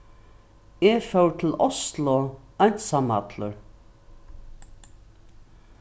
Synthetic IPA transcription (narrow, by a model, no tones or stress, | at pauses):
ɛfœwt̪ʰɪlɔst̪lɔ | ajn̥t̪sama̰t̪lʊ̰ɹ